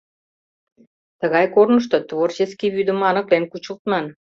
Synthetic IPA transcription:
t̪əɣɑjkornəʃ̬t̪ot̪βort͡ɕeskiβyd̪ə̆mɑnə̆klenkut͡ɕəlt̪mɑn

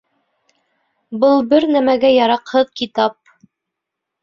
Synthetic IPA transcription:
bɤlˠbɘɾnæmæɡæjɑɾɑqhɤðkit̪ɑp̚

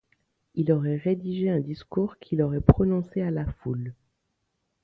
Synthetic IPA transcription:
ilɔʁɛʁed̪iʒeɛ̃d̪iskuʁkʰʲilɔʁɛpχɔnɔ̃sealaful

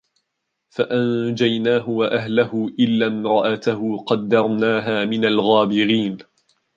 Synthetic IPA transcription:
faʔand͡ʒajnaːɦʊwaʔaɦlahʊʔɪlːamɾˤɑʔat̪aɦʊqɑd̪ːɑɾˤnaːɦaːmɪnalɣaːbɪɾiːn

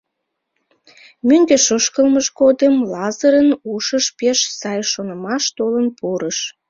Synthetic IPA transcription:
myŋɡeʃəʃkəlməʃkod̪əmlɑzəɾənuʃəʃpeʃsɑjʃonəmɑʃt̪olənpuɾəʃ

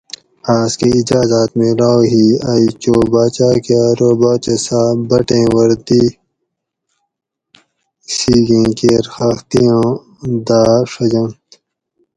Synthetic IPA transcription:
aːskiid͡ʒaːzaːt̪mẽlaːwɦiːɐit͡ɕoːbaːt͡ɕaːkeɾoːbaːt͡ɕɐsaːbɐʈẽːwɐɾd̪i | siːɡẽːkeɾxɐxt̪ijãː | d̪aːʂɐd͡ʑɐnt̪

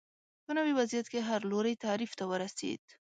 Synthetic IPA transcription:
pənawiwazjat̪keɦaɾloɾajt̪aɾift̪awəɾasḛd̪̥

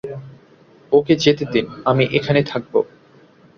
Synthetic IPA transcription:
oked͡ʑet̪ed̪inamiʔekʰanet̪ʰak̚bo̰

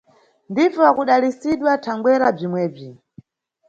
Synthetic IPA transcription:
ndivɔwakuɗalisiɗwatʰaŋɡwɛɾab͡ʐimwɛːb͡ʐi

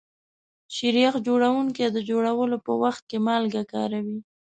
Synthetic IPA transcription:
ʃiɾjɑqd͡ʒoɽawuŋked̪əd͡ʒoɽawəlopəwaxt̪̚kemɑlɡakɑ̰ɾawi

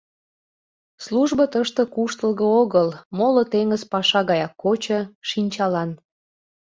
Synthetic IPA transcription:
sluʒbət̪əʃt̪ə̆kuʃt̪əlɣəoɣəlmolot̪eŋəzpɑʃɑɣɑjɑkːot͡ɕəʃinʲt͡ɕɑlɑn

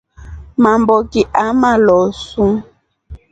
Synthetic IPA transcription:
mambɔkiʔamalɔsu

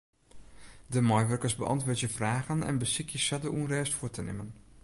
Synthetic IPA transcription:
dəmɔjʋørkəsbəʔɑ̰ntʋʊːtjəfraːɣənɛ̰nbəsɪkjəsadəʔunrɛːstfuətənɪ̰mən

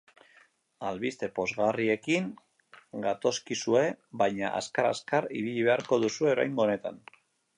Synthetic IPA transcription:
alβist̪e̞po̞zɣarie̞kiŋ | ɡat̪o̞skisue̞βajɲaʔa̰skaɾa̰skariβiʎiβ̞e̞aɾko̞ðusue̞oɾa̰jŋɡoːne̞t̪a̰n

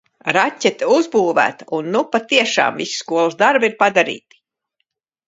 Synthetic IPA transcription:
ɾatʲːɛt̪uzbuːvæ̰ːt̪aunːupat̪iɛʃa̰ːmvḭsi̥skuɔlˠsd̪aɾbiɾpad̪aɾḭːt̪i̥

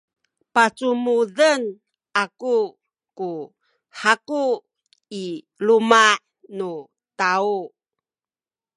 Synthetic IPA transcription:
pat͡sumuðən | aku | ku | ħaku | i | lumaʔ | nu | tau

